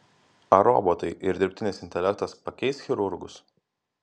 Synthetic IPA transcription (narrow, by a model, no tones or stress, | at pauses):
ɐɾɔ̰ːbot̪ɐɪʔɪɾd̪ʲɪɾʲpʲt̪ʲɪnʲɪsɪnʲt̪ʲɛlʲɛk̚t̪ɐspɐkʲɛɪsxʲɪɾʊɾɡʊs